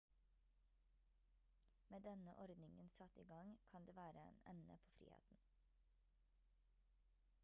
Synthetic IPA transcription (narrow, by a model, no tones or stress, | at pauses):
meːd̪ɛnəʔɔɾd̪nɪŋənsɑt̪iːɡɑŋkʰɑnd̪eːʋæːɾəḛːnɛ̰nə̰pʰoːfɾḭːhḛːt̪n̩